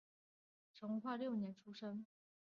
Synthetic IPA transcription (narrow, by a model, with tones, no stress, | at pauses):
ʈ͡ʂʰɤ˧˥ŋ˧kxwa˥˧ljo˥˩ʊnjɛ˧˥nʈ͡ʂʰu˥ʂə˥ŋ